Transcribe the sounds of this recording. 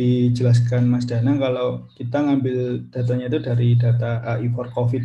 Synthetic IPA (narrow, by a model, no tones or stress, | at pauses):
id͡ʒəlas̬kanmas̬danakalokit̪aŋambɪld̥a̤t̪aɲait̪udaɾidat̪aːifɔrkofɪt̪